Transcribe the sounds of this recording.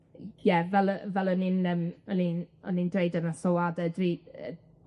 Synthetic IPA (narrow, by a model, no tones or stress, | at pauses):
jɛvɛlˠəvɛlˠɔninəmɔninɔ̰nindrejdənasoadədriə̰